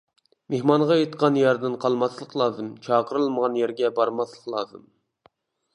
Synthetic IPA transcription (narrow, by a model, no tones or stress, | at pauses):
mehmɑnʁɑjet̪qɑnjɑɾd̪ɨnqʰɑlˠmɑslˠəqlˠɑːzɨmt͡ʃʰɑːqəɾɨlˠməʁɑnjæɾɡʲɛbɑɾmɑslˠəqlˠɑ̰ːzɨm